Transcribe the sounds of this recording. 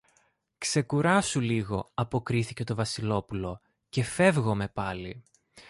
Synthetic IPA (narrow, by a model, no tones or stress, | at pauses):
kse̞kuɾɐsuliɣo̞ɐpo̞kɾiθice̞t̪o̞vɐsilo̞pulo̞ | ce̞fe̞vɣo̞me̞pɐlḭ